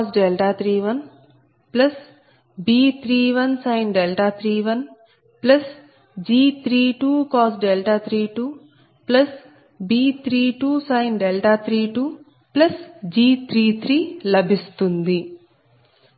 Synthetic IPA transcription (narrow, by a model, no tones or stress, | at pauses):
sɖelʈaːt̪ʰɾiːʋɐn | plɐs | biːt̪ʰɾiːʋɐnsɐjnɖɛlʈaːt̪ʰɾiːʋɐn | plɐs | d͡ʒiːt̪ʰɾiːʈuːkɔːsɖɛlʈaːt̪ʰɾiːʈuː | plɐs | biːt̪ʰɾiːʈuːsɐjnɖɛlʈaːt̪ʰɾiːʈuː | plɐsd͡ʒiːt̪ʰɾiːt̪ʰɾiːlɐbʱist̪und̪i